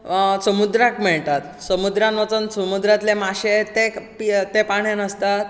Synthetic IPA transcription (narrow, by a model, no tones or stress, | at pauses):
səmud̪ɾakmɛɭt̪at̪səmud̪ɾanʋət͡sənsəmud̪ɾat̪lemaɕet̪epit̪epaɳjanəst̪at̪